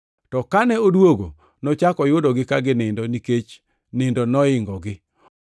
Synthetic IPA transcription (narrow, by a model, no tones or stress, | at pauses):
tɔkanɛodwoɡo̰ | nɔt͡ʃakɔjʊdɔɡɪkaɡɪnɪndɔniket͡ʃ | nɪndɔnɔɪŋɡɔɡɪ